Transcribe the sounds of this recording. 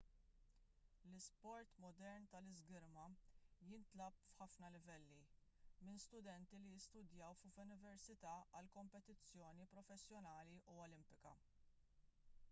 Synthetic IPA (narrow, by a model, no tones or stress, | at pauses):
lɪspɔɾt̪mɔd̪ɛɾnt̪ɐlɪzɡɪɾmɐjɪnt̪lɐpfħɐfnɐlɪvɛlːimɪnst̪ʊd̪ɛnt̪ilijɪst̪ʊd̪jɐwffʊnɪvɛɾsɪt̪ɐːɐlkɔmpɛt̪ɪt͡sːjɔːnipɾɔfɛsːjɔnɐːliʔuɔlɪmpɪkɐ̰